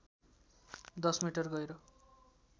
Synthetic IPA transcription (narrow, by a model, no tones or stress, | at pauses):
d̪ʌsmiʈʌrɡʌjɾʌ